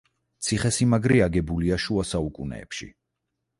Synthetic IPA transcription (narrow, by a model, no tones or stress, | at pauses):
t̪sʰiχɛsimaɡɾiaɡɛbuliaʃuasaukʼunɛ̰ːpʃḭ